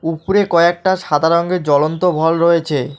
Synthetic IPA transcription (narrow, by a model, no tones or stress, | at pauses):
upuɾekɔek̚ʈaʃad̪ʱaɾoŋɡed͡ʑɔlont̪obʱɔlɾojet͡ɕʰe